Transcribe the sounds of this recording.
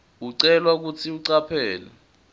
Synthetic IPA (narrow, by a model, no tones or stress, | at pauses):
uǀɛlwak̬ut͡sʰiuǀapʰɛːlɛ̰